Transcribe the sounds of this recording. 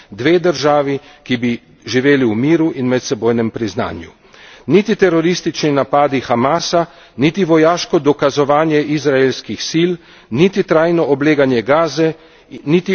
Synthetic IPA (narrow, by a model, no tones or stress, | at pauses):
d̪ʋeːd̪əɾʒaːʋikibi | ʒiʋeːliwmiːɾuʔinmɛt̪sɛboːjnɛmpɾizna̰ːnju | nit̪it̪ɛɾɔɾist̪it͡ʃninapaːd̪ixamaːsa | nit̪iʋɔjaːʃkɔd̪ɔkazɔʋaːnjɛʔizɾaelskixsiːl | nit̪it̪ɾaːjnɔʔɔbleːɡanjɛɡaːzɛ | nit̪i